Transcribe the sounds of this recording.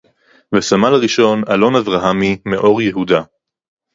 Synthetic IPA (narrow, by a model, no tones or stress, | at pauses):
vesamalaʁiʃo̞nalo̞navʁaɦamimeʔo̞ʁjeɦud̪a